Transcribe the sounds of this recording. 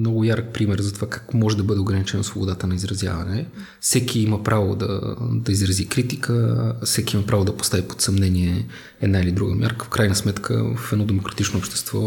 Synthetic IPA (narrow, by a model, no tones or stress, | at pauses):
mnɔɡʊjaɾk̚pɾimɛɾzɐt̪ovakakmɔʒɛd̪ɐbɤd̪ɛoɡɾɐnit͡ʃɛnosvobod̪at̪ənɐizɾɐzja̰vɐnɛ | fsɛkiiməpɾavo̰d̪ɐ̰d̪ɐizɾɐzikɾit̪ikəsɛkiimɐpɾavod̪ɐpo̥st̪avipo̥t̪sɐmnɛniɛ | ɛd̪nailid̪ɾuɡə̰mʲjʔa̰ɾkəfkɾajnəsmɛt̪kʰə̰fɛd̪ɔd̪ɛmokɾɐt̪it͡ʃnoopʃt̪ɛ̥st̪vɔ̰